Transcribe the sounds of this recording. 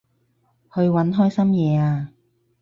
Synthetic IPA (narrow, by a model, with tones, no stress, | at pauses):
hɵ˧ɥwɐ˨˥nɦɔː˥jsɐ˥mjɛː˨˧aː˧